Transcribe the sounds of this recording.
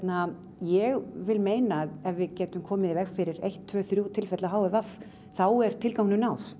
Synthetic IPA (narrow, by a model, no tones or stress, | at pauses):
t̪na | jɛɣvɪlmeːjnaɛvvɪðcɛːt̪ʏmkʰɔːmɪðvɛxfɪɾɪɾejht̪ʰːvœːθɾjut̪ʰɪlfɛt̪laɦaːwvɪvaf | θawɛɾ̥t̪ʰɪlkawŋnʏnawθ